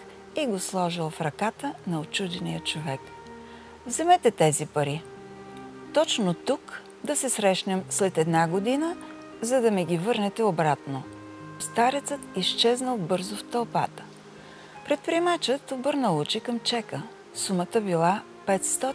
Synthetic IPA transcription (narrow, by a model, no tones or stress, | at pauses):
iɡoslˠɔʒilˠfɾɐkat̪ənɐot͡ʃud̪ɛnijət͡ʃovɛk | vzɛmɛt̪ɛt̪ɛzipɐɾi | t̪ɔt͡ʃnot̪uk | d̪ɐsɛsɾɛʃnɛmslɛt̪ɛd̪naɡod̪inə | zɐd̪ɐmɛɡʲivɤɾnɛt̪ɛobɾat̪no | st̪aɾɛt̪sət̪ist͡ʃɛznəlˠbɤɾzoft̪ɐlˠpa̰t̪ə̥ | pɾɛt̪̚pɾiɛmat͡ʃət̪obɤɾnəlˠut͡ʃikəmt͡ʃɛkə | sumət̪əbilˠa | pɛt̪st̪ɔ